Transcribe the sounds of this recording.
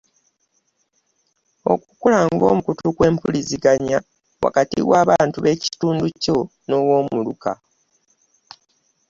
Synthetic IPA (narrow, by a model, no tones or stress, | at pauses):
o̞̰kukulaːŋɡo̞̰ːmukutukwe̞ːmpuliziɡaɲa | wa̰katḭɣwaːβaːntuβe̞cituːnduco̞ | no̞wo̞ːmuluka̰